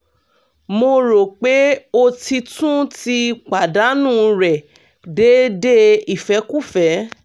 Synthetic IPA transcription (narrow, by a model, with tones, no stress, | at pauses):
mo˧ɾo˨k͡pe˨˦o˧ti˧tũ˦ti˧k͡pa˨da˨˦nũ˦˨ɾɛ˨ | de˦de˦i˦˨fɛ˨˦ku˦˨fɛ˨˦